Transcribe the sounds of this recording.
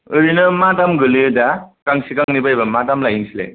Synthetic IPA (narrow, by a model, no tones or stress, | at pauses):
ɯɾinɯmatamɡɯlɯɯdakaŋsikaŋnibajbamatamlajiŋsilḛ